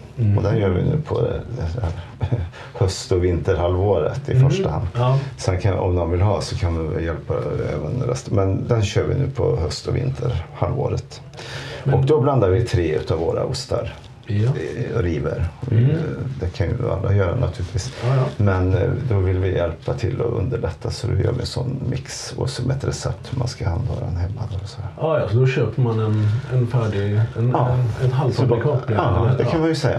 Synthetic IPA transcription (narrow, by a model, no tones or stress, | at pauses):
ɔd̪ɛnjøːɾvɪ̰nʉ̟ːpʰɔd̪d̪ɛdæɾ | hœst̪ɔvɪnt̪əɾhalːvoːɾət̪ɪfœʂʈaha̰nd̪sɛnkʰanɔmd̪ɔnvɪlɦɑːsɔkʰandɪɪjɛlpaɛ̰ːvənɾɛ̰st̪mɛnd̪ɛnɕøːɾvɪ̰nʉ̟ːpʰɔhœst̪ɔvɪ̰nt̪ʰəɾhalvo̰ːɾət̪ | ɔkk̚d̪ɔbland̪aɾvɪt̪ʰɾeːʉ̟ːt̪ɑvːoːɾa̰ʊst̪a̰ɾ | ɾiːvə̰ɾɔd̪ɛkʰanjəa̰lːɾajœːɾanʔat̪ʰʉːlɪt̪viːsmɛnd̪ɔvɪlvɪjɛlpat̪ʰɪlːɔɵnd̪əɭɛt̪ʰːasɔd̪ɛjœ̰ːɾvɪɛnsɔnːmɪks | ɔ̰sɔmɛt̪ɾɛsɛp̚t̪hʉmanskahand̪ɾɛnhɛmːad̪ɛɔsɔd̪æɾjsɔd̪ɔɕøːpəmanɛnɛnfæːɖɪnɑːɛnɦalɔkʰɔpɑd̪ɛkʰanmanjɵsɛjːa